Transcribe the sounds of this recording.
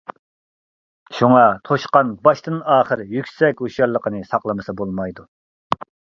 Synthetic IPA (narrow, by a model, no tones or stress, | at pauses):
ʃuŋɑt̪ʰoʃqɑnbɑʃt̪ɨnɑːχəɾjykʲsɛkʲuʃɑlːˠəqʰənɨsɑqlˠəmɨsɨbolˠmɑjd̪u